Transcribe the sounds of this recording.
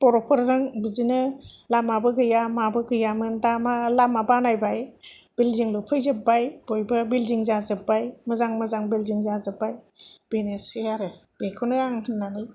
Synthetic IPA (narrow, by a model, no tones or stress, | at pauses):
pɔɾɔpʰɔɾzɯŋbizinɯlamabɯɡɯjamabɯɡɯjamɯndamalamabanajbajb̥ilziŋlupʰɯjzɯpbajb̥ojbɯbilziŋzazɯbajmɯzaŋmɯzaŋbilziŋzazɯbaj | b̥enesiaɾɯb̥ekʰɔnɯaŋhʰɯnːanɯj